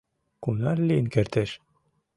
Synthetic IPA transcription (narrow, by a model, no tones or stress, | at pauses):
kunɑrlinkeɾt̪eʃ